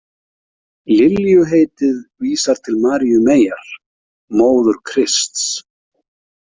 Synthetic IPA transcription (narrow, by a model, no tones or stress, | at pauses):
lɪljʏɦeːjt̪ɪðviːsaɾ̥t̪ʰɪlmaːɾijʏmeːjaɾ̥ | moːwðʏɾ̥kʰɾɪst̪s